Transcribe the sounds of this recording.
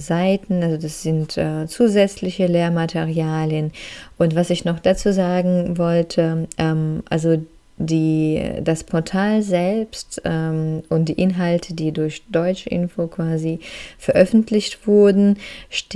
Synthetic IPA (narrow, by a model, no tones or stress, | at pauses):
zaɪtn̩alzodasz̥ɪntʔɛːt͡suːzɛt͡slɪçəleːɐmatʰeʁiaːljənʔʊntv̥asɪçnɔχd̥at͡suːzaːɡŋ̩vɔltʰəʔɛmʔa̰lzo | diːdaspʰɔɐtʰaːlzɛlpstʔɛːmʔʊnt̚d̥iːʔɪnɦaltʰədiːdʊɐçd̥ɔʏt͡ʃəʔɪ̰nfokv̥aːzifɛɐʔœfn̩tʰlɪçtv̥ʊɐdn̩ʃt